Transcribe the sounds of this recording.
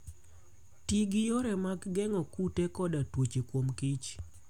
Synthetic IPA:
tiɡɪjoɾɛmaɡɡɛŋɔkutekɔdatwot͡ʃekwomkit͡ʃ

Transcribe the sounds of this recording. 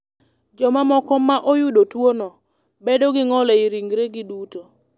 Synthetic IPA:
d͡ʒɔmamɔkɔmaʔojʊdotwonɔ | bedoɡɪŋɔlɛiɾiŋɡɾeɡɪduto

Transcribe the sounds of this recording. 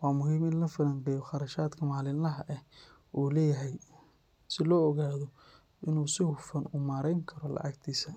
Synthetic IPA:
wɑːmʊɦiːmɪnlɐfɪlɐŋɡɛjɔχɑɾɐʃaːd̪kʰɐmaːlɪnɐɦɐʔɛ | ʔuːlɛːjɐɦɛj | sɪlɔːɔɣaːðɔ | ʔɪnuːsɪhʊfɐnʊmaːɾɛjŋkʰɐɾɔlɐ̰ʕɐ̰ɡt̪ʰiːsɐ

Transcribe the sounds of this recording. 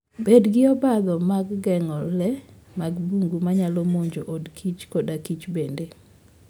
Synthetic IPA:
bedɡɪɔbad̪ɔmaɡɡɛŋɔlːɛ | maɡbuŋɡumaɲalɔmoɲd͡ʒoʔodkʰit͡ʃkɔdakit͡ʃbende

